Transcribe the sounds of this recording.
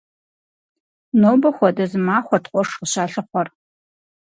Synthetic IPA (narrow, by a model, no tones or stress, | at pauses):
noːwbɐxʷɔdɐzɨmaːχʷɔtqʷʼɔʂqəɕaːɬɨχʷɔr